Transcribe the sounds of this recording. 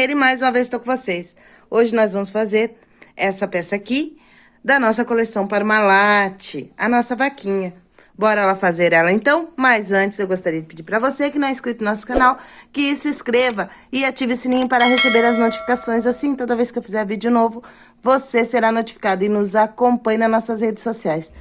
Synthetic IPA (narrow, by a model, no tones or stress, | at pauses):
eɾɪ̃majzũmɐvezɪst̪owkõvoses | oʒɪnɔzvɐ̃mʊsfazeɾ | ɛsɐpɛsɐaki | d̪ɐnɔsɐkolesɐ̃w̃paɾɐmalat͡ʃɪɐ̰nɔsɐvakĩɲɐ | bɔɾɐɛlɐfazeɾɛlɐẽnt̪ɐ̃w̃majzɐ̃t͡ʃɪ̥zewɡost̪aɾiɐd͡ʒɪped͡ʒiɾpɾɐvosekɪnɐ̃w̃ɛeskɾit̪ʊnɔsʊ̥kɐ̃nawkɪsɪskɾevɐɪat͡ʃivɪsɪnĩɲʊpaɾɐɦesebeɾɐznot͡ʃi̥fi̥kasõj̃zasĩt̪od̪ɐvejskɪewfizɛɾɐvid͡ʒɪʊnovʊ | voseseɾanot͡ʃi̥fi̥kad̪ʊɪnʊzakõmpɐ̃ɲnɐnɔsɐshed͡ʒɪ̥sːosiajs